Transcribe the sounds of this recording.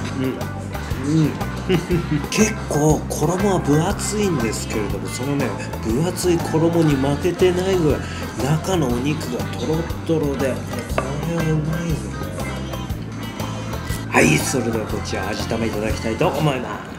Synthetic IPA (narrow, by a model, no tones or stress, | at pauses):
ɯ̟̃ɴ | ɯ̟̃ɴ | kʰe̞kːo̞ːkʰo̞ɾo̞mo̞βabɯ̟at͡sɨĩnd̪e̞sɨ̥ke̞ɾe̞d̪o̞mo̞so̞no̞nẽ | b̥ɯ̟at͡sɨikʰo̞ɾo̞mo̞ɲ̟imake̞t̪e̞naiɡoa | nakano̞ːɲ̟ikɯ̟ɡat̪ʰo̞ɾo̞t̪ːo̞ɾo̞d̪e | aɾeβaɯ̟maijone | haiso̞ɾe̞d̪e̞ako̞t͡ɕiaːʑit̪ameit̪ad̪akʲi̥t̪ait̪o̞ʔːmo̞ema̰s